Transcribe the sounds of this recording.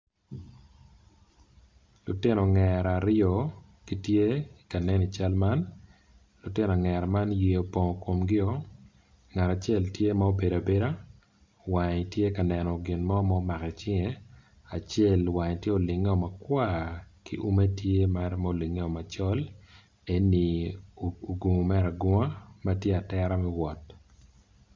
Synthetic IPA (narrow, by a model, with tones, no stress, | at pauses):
lʊ˨tɪ˦nɔ˨ŋɛɾa˨ɾɪɔ˨ | ki˦tje˦ika˨nɛ˦ni˨t͡ʃa˦lma˦n | lʊ˨tɪ˦nɔ˨ŋɛ˨ɾma˦nje˨o˨pɔ˨ŋ˨ko˨mɡɪ˦ɔ˦ | ŋa˨ɾa˨t͡ʃe˦ltje˦ma˦o˦be˨ɾa˨be˦ɾa˦ | wa˨ɲtje˦ka˨nɛ˨nɔ˨ɡɪ˨nmɔ˦ma˦o˦ma˨kɛ˨t͡ʃɪ˦ŋe˨ | a˨t͡ʃɛ˦˨lwa˨ɲtje˦o˨lɪ˨ŋe˦ɔ˨ma˨kwa˦kḭ˦ʔu˦me˦tje˦ma˦rma˦o˨lɪ˨ŋe˦ɔ˨ma˨t͡ʃɔ˦l | e˦ni˨ | o˨ɡu˨mɛ˦ɾa˨ɡɔ˦ŋa˦ma˦tje˦a˨tɛɾa˦mɛ˦wɔ˨t